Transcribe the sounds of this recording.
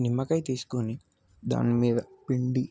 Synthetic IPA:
nimːɐkɐjt̪iːsu̥koni | d̪a̰ːnimiːd̪ɐpiɳɖi

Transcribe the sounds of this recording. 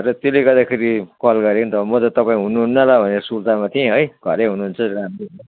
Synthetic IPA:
ʌɾʌt̪jolekʌd̪akʰiɾikʌlɡʌɾeknt̪ʌamʌt̪ʌt̪ʌpaĩɦunːuɦunːʌlabʱʌneɾʌsult̪amat̪ʰiẽɦʌjɡʱʌɾeɦunuɦunt͡sʰʌɾamɾi

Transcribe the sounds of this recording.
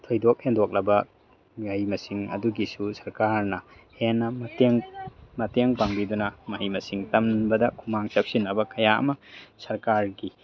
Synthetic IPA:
tʰojdok̚endok̚lɐbɐ | majmɐsiŋɐ̰duɡisusɐɾkaɾnɐhenːɐmɐteŋmɐteŋpaŋbidunɐmaijmɐsiŋtɐmbɐdɐkʰumaŋt͡ʃɐp̚sinːɐbɐkɐjaʔɐ̰mɐsɐɾkaɾɡi

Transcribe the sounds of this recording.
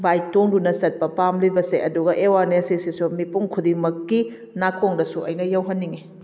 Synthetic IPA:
bajtoŋdunɐsɐt̚pɐpamlibɐseʔɐduɡɐʔewaɾnesisisumipuŋkʰudiŋmɐkːi | nakʰoŋdɐsuɐjnɐjɐwɦɐnːiŋi

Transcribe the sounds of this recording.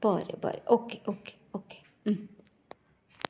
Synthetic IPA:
b̥ɑːɾə̰bɑ̰ːɾəʔɔkeʔokʰe̥ | ɔkʰe̥ | m̩

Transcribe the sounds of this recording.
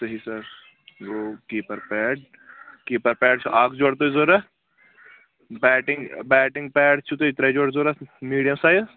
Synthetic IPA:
sɐɦisɐɾ | ʋoːkiːpəɾpɛːʈ̚ | kiːpəɾpɛːɖt͡ʃʰuʔaːkʰd͡ʒoːɽt̪̬oːizoːɾɛ | bɛːʈɪ̃ŋɡbɛːʈɪ̃ŋɡ̚pɛːɽt͡ʃʰut̪oːit̪ɾed͡ʒoːɽzoːɾamiːɖijəmsaːz

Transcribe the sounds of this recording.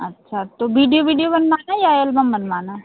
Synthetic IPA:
ɐtːʃʰat̪obiːɖijobiːɖijobɐnmaːnajajəlbɐmbənmaːna

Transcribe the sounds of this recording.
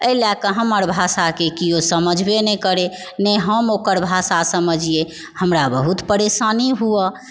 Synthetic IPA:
əilakəɦəməɾbʱasakekijosəməd͡ʒʱbenɛkəɾe | nəɦəmokəɾbʱasasəməd͡ʒije | həmɾabəɦut̪pəɾesaniɦuə

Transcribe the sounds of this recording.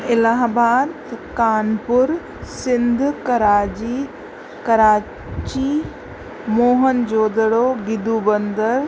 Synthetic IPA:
ɪlaːɦbaːd̪ | kaːnpʊɾ | sɪ̃nd̪ʱkɐɾaːd͡ʑi | kɐɾaː | t͡ɕi | moːɦənd͡ʑoːd̪əɽoɡɪd̪uːbə̃nd̪əɾ

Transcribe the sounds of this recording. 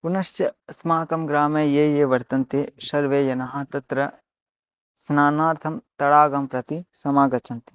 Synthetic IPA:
punɐʃt͡ʃɐsmaːkɐmɡɾaːmeːjeːjeːʋɐɾt̪ɐnt̪eːʃɐɾʋeːjɐnɐɦɐt̪ɐt̪ɾɐ | snaːnaːɾt̪ʰɐmt̪ɐɽaːɡɐmpɾɐt̪isɐmaːɡɐt͡ʃɐnt̪i̥

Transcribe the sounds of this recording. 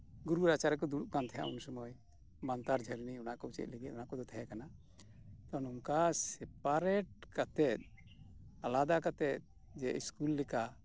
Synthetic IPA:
ɡuɾuɾat͡ʃaɾɛkɔd̪uɽuʔkant̪ʰɛja̰ʔṵnsɔmɔj | bant̪aɾd͡ʒʱəɾniɔnakɔut͡ʃɛ̰t̪̚ˀlɛɡɛ̰t̪ɔnakɔd̪ɔt̪ʰɛɦɛkana | t̪ɔnumkasɛp̚aɾɛʈ̚kat̪ɛt̪̚ | alad̪akat̪ɛt̪̚ | d͡ʒɛiskulːɛka

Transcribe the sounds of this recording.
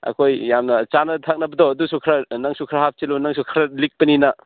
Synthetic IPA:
ɐ̰kʰojjamnɐt͡ʃanɐtʰak̚nɐbɐdɔɐdusukʰɾanaŋsukʰɾaɦap̚t͡ʃilunaŋsukʰɾɐlik̚pɐninɐ

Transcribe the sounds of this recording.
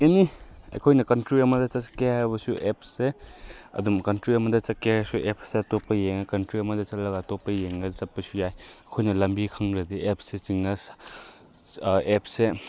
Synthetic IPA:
eniɐ̰jkʰojnɐkɐntɾiɐmɐd̪ɐt͡ʃɐkeɦajbɐsuʔep̚ʰseɐ̰dumkɐntɾiɐmɐd̪ɐt͡ʃɐkeasuʔepʰsetopːɐjeŋakɐntɾiɐmɐd̪ɐt͡ʃɐtlɐɡatopːɐjeŋɡat͡ʃɐpːɐsujajɐkʰojnɐlɐmbikʰɐŋɾɐd̪iep̚ʰset͡ʃiŋːas | ep̚ʰse

